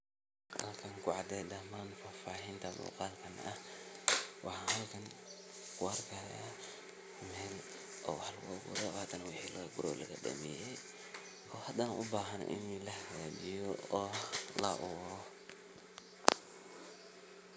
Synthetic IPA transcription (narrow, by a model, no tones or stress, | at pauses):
hɐ̰lkʰɐŋkʰʊʕɑd̪ɛjd̪ɐmaːnfaːfaːɦɪnt̪ʰɐmṵqɑːlkʰɐnɐh | wʔɑħɑːnhɐlkʰɐŋ | kʰʊɐrkʰajaː | mɛːl | ʔɔːwħlwɐɡʊɾɛhaːt̪ʰɐnɐwɪħiːlɔːɡʊɾɔ̰lɐɣɐ̰ɖɐ̰mɛːjɛj | ɔːhɐd̪anʔʊ̰baːɦɐn̰ʔɪ̰nilɐhɐɣaːd͡ʒɪjɔɔːlɐ̰ʔʊ